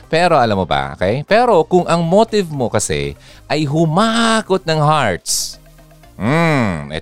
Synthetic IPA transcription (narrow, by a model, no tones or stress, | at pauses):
pɛːɾo̞ʔɐlamːobɐ̰ʔo̰kɛjpɛːɾo̞kʊŋʔɐŋmoːt̪ɪvmo̞kɐsɛ̰ | ʔɐjɦʊmakot̪̚nɐŋhaɹt̪s | m̩ʔɛ̰